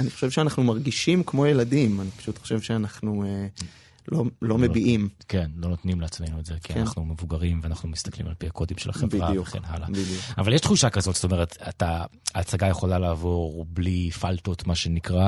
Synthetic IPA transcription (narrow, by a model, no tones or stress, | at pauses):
aniχo̥ʃevʃeanaχnumaʁɡiʃimkmo̞jeladimanipḁʃutχo̥ʃe̞vʃeanaχnue | lolo̞mebiʔimke̞nlo̞not̪nimleat͡smejnuetzekiannaχnumevuɡaʁimveanaχnumist̪ḁklḭmalpihakʰo̞dimʃelhaχebvʁajeχḛnɦa̰la̰bidiuavaljeʃχuʃakazo̞tzo̥t̪o̞me̞ʁet̪ataːt͡saɡaje̞χo̞lalaːvo̞ʁblifalto̞tmaʃenikʁa